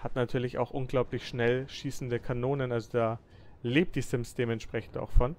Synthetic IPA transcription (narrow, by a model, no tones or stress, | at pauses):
hatnatʰyːɐlɪça̰ʊxʔʊnɡlaʊplɪçʃnɛlʃiːsn̩dəkʰanoːnənʔalzodaː | leːp̚td̥isɪmsd̥eːmɛntʃpʁ̥ɛçn̩ta̰ʊxfɔn